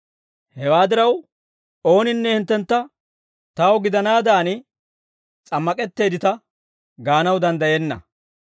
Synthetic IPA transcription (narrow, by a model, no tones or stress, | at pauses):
hɛwaːd̪ɪɾɐw | o̞ːnɪnːɛhɪnt̪ːɛnt̪ːɐ | t̪ɐwɡɪd̪ɐnaːd̪aːnɪ | t͡sʼɐmːɐkʼɛt̪ːe̞ːd̪ɪt̪ɐ | ɡaːnɐwd̪ɐnd̪ɐjɛnːɐ̰